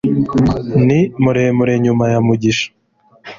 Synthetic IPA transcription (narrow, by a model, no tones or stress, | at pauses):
nimuɾemuɾeɲumajamuɟiʃḁ